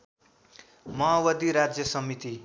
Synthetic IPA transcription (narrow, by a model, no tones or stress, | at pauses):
mʌɦawʌd̪iɾad͡zjʌsʌmit̪i